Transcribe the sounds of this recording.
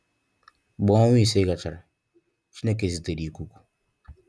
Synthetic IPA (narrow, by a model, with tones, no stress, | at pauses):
ɡ͡bɔ˨˦ɔ˦ŋʷ˦i˦˨se˦ka˨t͡ʃa˨ɾa˨ | t͡ʃi˦ne˦k̬e˨zi˨te˨ɾi˨ku˦ku̥˨